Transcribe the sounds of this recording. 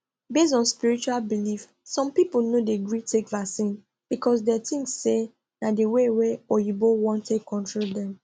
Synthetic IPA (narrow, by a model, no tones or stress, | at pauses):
bes̬ɔ̃nspiɹit͡ʃualbilif | sɔ̃mpipnodeɡɹitʰekvaksĩn | b̥ikʰɔs̬dɛtĩŋsːe | nadeweweɔjubowɔ̃ntʰekʰːɔ̃ntɹoldɛ̃m